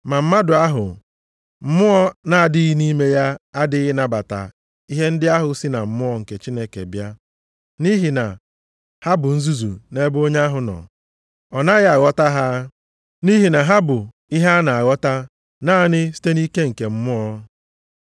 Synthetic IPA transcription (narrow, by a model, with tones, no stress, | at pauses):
ma˨m̩˦ma˦dʊ˨a˦ɦʊ̰˨ | m̩˦mʊ˦ɔ˦na˨a˨dɪ˦i˦ni˦me˦ja˦a˦dɪ˦ɣɪ˦na˨ba˨ta̰˨ | i˦ɦe˦n̩˦dɪ˦a˦ɦʊ˨sɪ˦na˨m̩˨mʊ˦ɔ˨ŋ̩˨ke˨t͡ʃi˦ne˦kḛ˨bja˦ | ni˦ɦi˨na̰˨ | ha˦bʊ˨n̩˦zu˦zṵ˨ne˦bo˦ɲe˦a˦ɦʊ˨nɔ̰˨ | ɔ˨na˦ɣa˨ɣɔ˦ta˦ɦa˦ | ni˦ɦi˨na˨ɦa˦bʊ˨ | i˦ɦa˦na˨a˨ɣɔ˦ta˦ | naː˦nɪ˦si̥˦te˦ni˦ke˦ŋ̩˨ke˨m̩˦mʊ˦ɔ˦